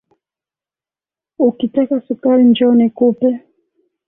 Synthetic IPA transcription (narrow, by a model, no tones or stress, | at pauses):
ukitɛkasukaɾind͡ʒɔnɛkupɛ